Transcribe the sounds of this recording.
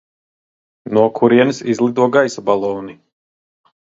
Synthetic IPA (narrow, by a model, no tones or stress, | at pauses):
nuɔkʰuɾiɛnɨsizlˠid̪uɔɡajsabalˠɔwni